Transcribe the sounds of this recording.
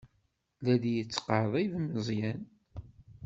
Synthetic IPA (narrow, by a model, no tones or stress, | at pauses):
læd̪jət͡sːqəɾəðˤæjðməzˤjæn